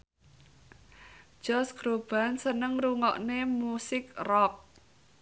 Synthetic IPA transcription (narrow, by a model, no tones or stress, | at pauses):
d͡ʒ̥ɔsɡ̥ɾob̥a̤nsənəŋruŋɔ̰ʔnemusɪk̚rɔk̚